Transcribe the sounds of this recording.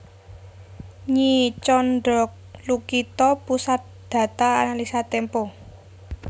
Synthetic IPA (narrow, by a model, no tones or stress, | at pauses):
ɲit͡ʃɔnɖɔk̚lukit̪ɔpusat̪̚d̪̥ä̤t̪aːnalisat̪ɛmpo